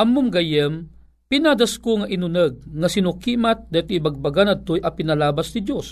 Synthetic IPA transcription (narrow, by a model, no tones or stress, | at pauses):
ʔɐmːumɡajəm | pinad̪askoŋaʔinʊnəɡ̚ŋasinʊkimat̪̚d̪at̪ibaɡ̚baɡanɐd̪̚t̪ojʔɐpinɐlaːbasnid̪jos